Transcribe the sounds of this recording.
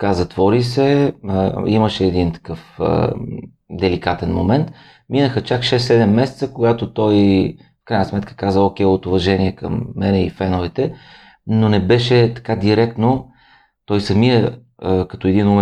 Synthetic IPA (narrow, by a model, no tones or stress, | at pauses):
kazɐt̪vɔɾis̬ɛ | iməʃɛːd̪int̪ɐ̥kɤfə̰ | d̪ɛlikat̪ɛnmomɛnt̪ | minəxət͡ʃakʃɛsːɛd̪ɛmːɛsɛ̥t̪səkoɡat̪ot̪ɔj | fkɾajnəsmɛt̪kə̥kazəokʲɛjot̪ʊvɐʒɛniɛkə̰mːɛnɛifɛnovɛt̪ɛ | nonɛbɛʃɛt̪ɐ̥kad̪iɾɛkt̪no | t̪ɔjsɐmiə | kɐt̪oɛd̪inum